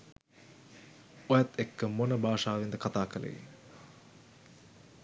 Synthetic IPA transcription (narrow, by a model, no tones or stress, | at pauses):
ojat̪ːekːəmonəbʱaːʂaːʋind̪əkat̪aːkələ̰jḭ